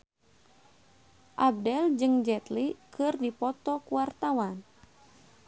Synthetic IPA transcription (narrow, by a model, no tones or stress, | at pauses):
ʔab̚dɛld͡ʒɨŋd͡ʒɛt̪likɨrdipɔt̪ɔkuwart̪awan